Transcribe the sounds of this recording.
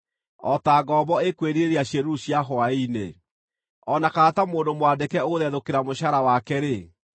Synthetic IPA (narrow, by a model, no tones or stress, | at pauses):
ɔtaɡɔbɔekweɾiɾeɾeaɕeɾuɕjaɦoaine | ɔnakaːtamoːndomowandekɛoðɛðokeɾamoɕaɾawakɛɾe